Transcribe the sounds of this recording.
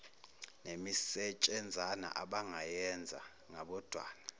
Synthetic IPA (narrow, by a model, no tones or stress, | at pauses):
nemisɛt͡ʃʼɛnd͡zʱana̰ʔa̰ɓaŋajɛnd͡zʱa̰ | ŋaɓɔd̥ʱwa̰ːna